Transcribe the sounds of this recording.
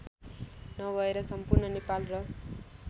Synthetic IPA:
nʌɡʱʌeɾʌsʌmpurnʌnepalrʌ

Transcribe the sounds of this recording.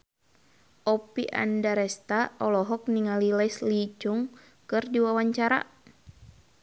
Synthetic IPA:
ʔɔpiʔa̰ndaɾɛst̪aɔlɔɦɔk̚niŋalilaislit͡ʃuŋ | kɨrdiwawaɲt͡ʃaɾa̰

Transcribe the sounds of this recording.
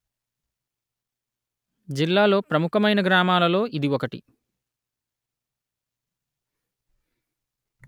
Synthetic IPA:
d͡ʒilːaːlo̞ːpɾɐmukɐmɐjnɐɡɾaːmaːlɐlo̞ːʔid̪iɔkɐʈḭ

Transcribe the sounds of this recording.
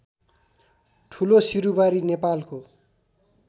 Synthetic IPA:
ʈʰulosiɾubaɾinepalko

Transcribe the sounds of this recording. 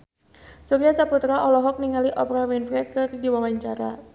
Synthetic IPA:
suɾiasaput̪ɾaʔɔlɔɦɔk̚niŋaliʔɔpɾawinfɾɛkɨrdiwawaɲt͡ʃaɾa

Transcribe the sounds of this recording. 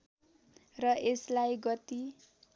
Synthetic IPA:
rʌʔeslajɡʌt̪i

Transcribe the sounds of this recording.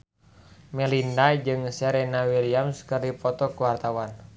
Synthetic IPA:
mɛlindad͡ʒɨŋsɛɾɛnawiliamskɨrdipɔt̪ɔkuwart̪awan

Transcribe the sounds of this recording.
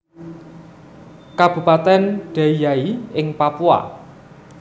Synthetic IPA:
kab̥ṳpat̪ɛnɖ̥a̤ijaiɪŋpapua̰

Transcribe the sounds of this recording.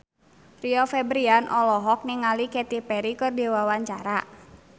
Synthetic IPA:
riɔfɛbɾianʔɔlɔɦɔk̚niŋalikɛt̪ipɛɾikɨrdewawaɲt͡ʃa̰ɾa

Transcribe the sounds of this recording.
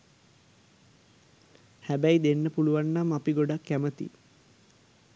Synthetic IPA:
hæbæid̪enːəpuluʋanːamapiɡoɖakːæmət̪ḭ

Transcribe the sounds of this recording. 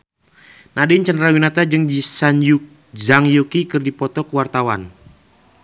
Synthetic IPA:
nadɪɲt͡ʃəndɾawinat̪ad͡ʒɨŋd͡ʒisanju | d͡ʒaŋjukikɨrdipɔt̪ɔkəwart̪awan

